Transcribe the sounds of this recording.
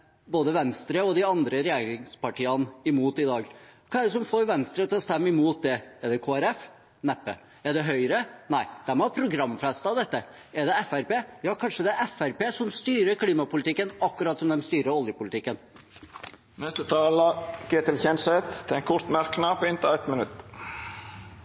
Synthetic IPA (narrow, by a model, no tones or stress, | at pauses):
boːd̪əʋɛnst̪ɾəɔd̪ɪɑnd̪ɾəɾɛjeːɾɪŋspɑʈʰiːənɪmuːt̪ɪd̪ɑːɡkʰɑːɛɖɛs̬ɔmfoːɾʋɛnst̪ɾət̪ʰɪlɔst̪ɛmːɪmuːt̪̚d̪ɛɛɖɛkʰoːæɾɛf | nɛpːə̰ | ɛɖɛɦœʏɾənæɪd̪̥æɾmpʰɾʊɡɾɑmːfɛst̪ɑʋd̪ɛt̪ːə | ɛɖɛɛfæɾpeːjɑːkʰɑnʂəd̪ɛʔɛfæɾpeːsɔmst̪yːɾəkʰliːmɑpʊlɪt̪ɪkːənɑkːʉɾɑːt̪sɔmd̪ɛmst̪yːɾəɔljəpʊlɪt̪ɪkːən | nɛst̪ət̪ʰɑːlɑɡ̥eːt̪ɪlçɛnsɛt̪ʰːɪɛŋkʰʊɾt̪mæɾknɑpɪnt̪ɪæɪt̪mɪnʉt̪